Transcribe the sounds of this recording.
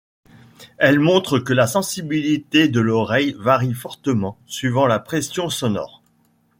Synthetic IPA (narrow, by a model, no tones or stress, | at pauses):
ɛlmɔ̃t̪χəkəlasɑ̃sibilit̪ed̪əlɔʁɛjvaʁifɔʁt̪əmɑ̃sɥivɑ̃lapχɛsjɔ̃sɔnɔ̰ːʁ